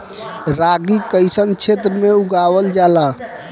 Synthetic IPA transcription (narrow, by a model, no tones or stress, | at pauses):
ɾaɡikəjsənt͡ʃʰet̪ɾəmeuɡaʋəld͡ʒala